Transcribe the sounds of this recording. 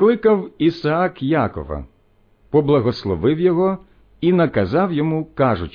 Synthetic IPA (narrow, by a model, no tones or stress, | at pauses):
klˠɪkɐwisɐɑkjakɔ̰ʋɐ̰ | pɔblˠɐɦɔslˠɔʋɪwjɔɦɔ | inɐkɐzɑwjɔmukɑʒʊt͡ʃ